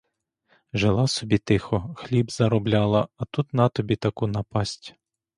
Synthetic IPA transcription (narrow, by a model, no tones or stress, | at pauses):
ʒelˠɑsɔbʲit̪ɪxɔxlʲibzɐɾɔblʲalˠɐɐt̪ut̪nɑt̪ɔbʲit̪ɐkunɐpɑsʲtʲ